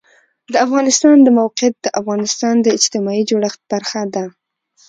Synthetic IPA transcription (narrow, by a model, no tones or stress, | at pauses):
d̪əafɣɑnɪst̪ɑnd̪əmawqɪjat̪̚d̪̥əʔafɣɑnɪst̪ɑnd̪əɪd͡ʒt̪ɪmɑid͡ʒoɽəxt̪̚b̥aɾxad̪a